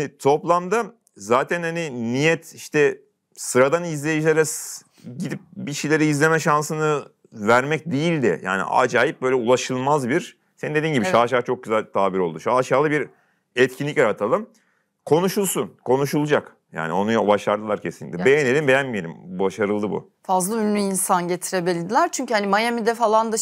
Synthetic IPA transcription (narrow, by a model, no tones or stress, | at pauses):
hanit̪ʰo̞plˠamd̪a | zaːt̪ʰænhaninijɛt̪iʃt̪ʰɛ | sɯɾad̪anizlʲejid͡ʒilʲeɾɛs | ɟid̪ip̚biʃejlʲeɾɛizlʲe̞mɛʃansɯnɯ | væɾmɛc̚d̪ejilʲd̪ɪ̰ja̰ːnḭʔa̰d͡ʒaːjip̚bø̞jlʲɛulˠaʃɯlˠmazbiɾ̥ | senind̪eiːnɟibiʃaːʃaːt͡ʃʰo̞k̚ɟyzælʲt̪ʰaːbiɾo̞lˠd̪uʃaːʃaːlˠɯbiɾ | ɛt̪cʰinʲːicjaɾat̪ʰalˠɯm | kʰo̞nuʃulˠsunkʰo̞nuʃulˠd͡ʒak | ja̰ːnio̞nujbaʃlˠaɾd̪ɯlˠaɾcʰe̞sinlʲic̪̚ʲːɛbejene̞lʲimbe̞jænmije̞lʲimbaʃaɾɯlˠːɯbṵ | fazlˠaynlʲyinsanɟet̪ʰiɾebelʲid̪ilʲæɾt͡ʃʰyɲcyhanimajamid̪ɛfalˠand̪a